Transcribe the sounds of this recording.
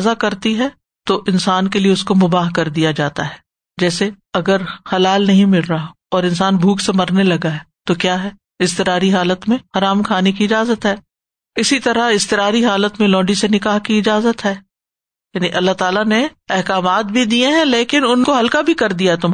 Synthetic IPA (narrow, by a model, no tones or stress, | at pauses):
zakɐɾt̪iɦɛ | t̪oʔɪnsaːnkelieʊskomʊbaːɦkɐɾd̪ijad͡ʒaːt̪aɦɛː | d͡ʒɛːseɐɡəɾhɐlaːlnɐɦĩmɪlɾa | ɔːɾɪ̃nsaːnbʱuːksemɐɾnelɐɡaɦɛːt̪okjaːɦɛː | ɪst̪ɪɾaːɾiɦaːlət̪mẽhɐɾaːmkʰaːnek̬iɪd͡ʒaːzət̪ɦɛː | ɪsit̪ɐɾaɪst̪ɪɾaːɾiɦaːlət̪mẽlɔ̃ːɳɖisenɪkaːɦkiɪd͡ʒaːzət̪ɦɛː | jaːniʔɐlːaɦt̪aːlane | ɛɦkaːmaːt̪̚bʱid̪ieɦɛ̃leːkɪnʊnkoɦɐlkabʱikɐɾd̪ijaɦɛt̪ʊm